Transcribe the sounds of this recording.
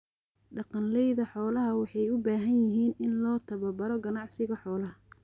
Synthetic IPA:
ɖɑqɑnlɛjðɐħɔːlɐɦɐwɑħɑjʊbaːɦɐnjɪɦiːnɪnlɔːt̪ʰɐβɐbɐɾɔɡɐnɑʕsɪɣɐħɔːlɐɦɐ

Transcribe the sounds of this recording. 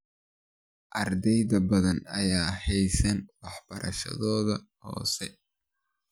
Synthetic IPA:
ʔɐrd̪ɛjðɐbɐðɐnɐjaːhɛjsɐnwɑħb̥ɐɾʔɐ̰ʃɐ̰ðɔːðɐ | hɔ̰ːsɛ

